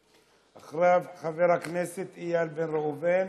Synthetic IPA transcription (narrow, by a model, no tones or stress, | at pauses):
ʔaχʁeavχaveʁhakneset̪ijalbenʁeuvem